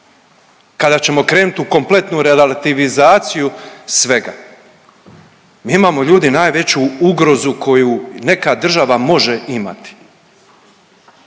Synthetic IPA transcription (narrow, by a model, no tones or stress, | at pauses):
kad̪at͡ɕe̞mo̞kɾe̞ːnut̪uko̞mple̞t̪nuɾelalat̪iʋizaːt̪sijusʋe̞ɡa̰ | miːimaːmo̞ʎuːd̪inaːjʋe̞t͡ɕuuɡɾo̞zukʰo̞june̞kad̪r̩ʒaʋamo̞ʒe̞ima̰t̪i̥